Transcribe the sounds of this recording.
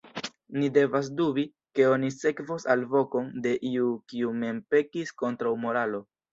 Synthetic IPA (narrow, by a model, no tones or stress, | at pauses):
nide̞vas̬dubi | ke̞o̞nise̞kvosalvo̞ko̞nde̞ʔiukiume̞mpe̞kisko̞ntɾawmo̞ɾalo̞